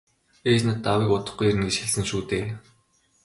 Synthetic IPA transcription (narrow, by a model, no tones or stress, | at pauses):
eːt͡ɕnə̆t̪ːawiːkʊt̪ə̆χɡujeɾɘ̆nɡet͡ɕxeɮsɘ̆nʃuːt̪eː